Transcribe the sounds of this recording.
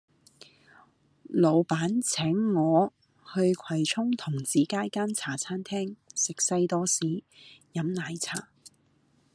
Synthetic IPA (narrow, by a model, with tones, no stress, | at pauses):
lo˨˧wpaː˨˥nt͡sʰɛː˨˥ŋːɔː˨˧ | hɵ˧ɥkʷʰɐ˨˩jt͡sʰʊ˥ŋt̪ʰʊ˨˩ŋt͡siː˨˩kaː˥jkaː˥nt͡sʰaː˨˩t͡sʰaː˥nt̪ʰɛː˥ŋsɪ˨k̚sɐ˧jt̪ɔː˥siː˨˥jɐ˨˥mnaː˨˧jt͡sʰaː˨˩